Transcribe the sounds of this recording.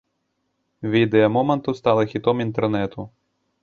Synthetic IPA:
vʲid̪ɛɐmɔmɐnt̪ust̪alˠɐxʲit̪ɔmint̪ɛrnɛt̪u

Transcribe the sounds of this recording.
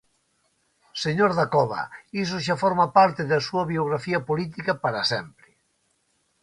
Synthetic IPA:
seɲoɾðakɔβɐ̰is̬ʊʃ̬afɔɾmapaɾt̪ɪðasuɐβioɣ̞ɾafiɐpolit̪ikɐpaɾasɛmpɾɪ

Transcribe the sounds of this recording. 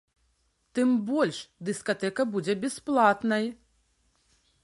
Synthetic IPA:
t̪ɨmbɔlʲʂd̪ɨskat̪ɛkɐbud͡zʲɛbʲɛsplˠat̪nɐj

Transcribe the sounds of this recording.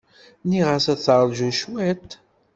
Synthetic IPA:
niʁəsæθʕɾʒuʃwæt̪

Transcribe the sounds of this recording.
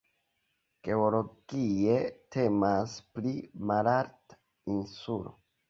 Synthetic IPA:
ɡ̥e̞olo̞ɡ̥ie̞te̞masplimalaɾt | insulo̰

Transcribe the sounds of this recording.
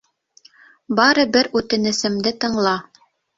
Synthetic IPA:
bɑɾɤbɘɾʉt̪ɘ̆nɘ̆sɘ̆md̪ɘt̪ɤ̆ɴlˠɑ

